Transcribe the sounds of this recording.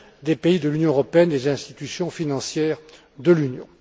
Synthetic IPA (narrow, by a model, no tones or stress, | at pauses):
d̪epeid̪əlynjɔ̃əʁɔpeɛnd̪ezɛ̃st̪i̥t̪ysjɔ̃finɑ̃sjɛːʁ | d̪əlynjɔ̰̃